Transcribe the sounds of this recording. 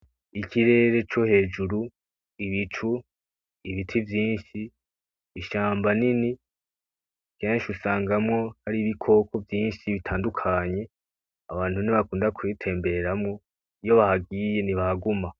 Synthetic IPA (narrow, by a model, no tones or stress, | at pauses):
ikʰiɾe̞ːɾe̞t͡ʃo̞he̞ːd͡ʒuɾu | iβit͡ʃu | iβitʰivjiːnʃiː | ʃaːmbanini | keːnʃusaːŋɡamŋo̞haɾiβikʰo̞ːkʰo̞vjiːnʃiβitʰaːndukʰaɲe̞ | aβaːn̥huniβakuːndakʰuitʰe̞ːmbe̞ɾamŋo̞ | ijo̞βahaɡiːje̞niβahaɡuma